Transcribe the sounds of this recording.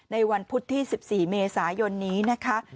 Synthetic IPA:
na˧jwa˧npʰu˦˥t̪ʰːiː˥˩si˨˩p̚siː˨˩meː˧saː˩˦jo˧nːiː˦˥na˦˥kʰa˦˥

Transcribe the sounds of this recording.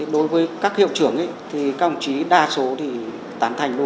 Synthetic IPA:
ɗo˨˦jvəː˨˦jkaː˦˥k̚hḭ˧˨wt͡ɕɨ˧˩əŋʔə̰˧˦jt̪ʰi˨˩ka˧˨˩ŋ͡mt͡ɕi˨˦ɗaː˧so˨˦t̪ʰi˨˩ | t̪aː˨˦nt̪ʰa˨˩jŋ̟ɗu˧

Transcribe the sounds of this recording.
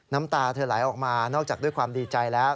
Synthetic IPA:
na˦˥mt̪aː˧t̪ʰɤː˧laː˩˦jʔɔː˨˩k̚maː˧nɔː˥˩k̚t͡ɕaː˨˩du˥˩jkʰwaː˧mdiː˧t͡ɕa˧jlɛː˦˥w

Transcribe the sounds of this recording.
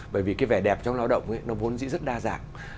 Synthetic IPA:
ɓəː˧˩jvi˨˩kaː˨˦jvɛ˧˩ɗɛ˨˩p̚t͡ɕɔ˧wŋ͡mlaː˧wɗə̰˧˨wŋ͡mʔə˨˦jnɔ˨˦mu˨˦nzḭ˧˥zə˦˥t̚ɗaː˧za̰ː˧˨ŋ

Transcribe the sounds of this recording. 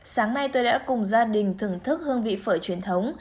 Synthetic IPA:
saː˨˦ŋna˧jt̪o˧jɗa̰ː˧˥kʊ˨˩ŋ͡mzaː˧ɗï˨˩ŋ̟t̪ʰɨ˧˩əŋt̪ʰɨ˦˥k̚hɨ˧əŋvḭ˧˨fəː˧˩jt͡ɕwi˨˩ənt̪ʰə˨˦wŋ͡m

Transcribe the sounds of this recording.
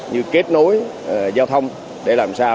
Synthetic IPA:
ɲɨ˧ke˦˥t̚no˨˦j | zaː˧wt̪ʰə˧wŋ͡m | ɗe˧˩laː˨˩msaː˧

